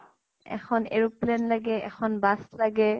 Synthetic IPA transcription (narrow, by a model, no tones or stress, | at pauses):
ɛ̰xʰɔnḛɹuplɛnlaɡɛɛ̰xʰɔnbaslaɡɛ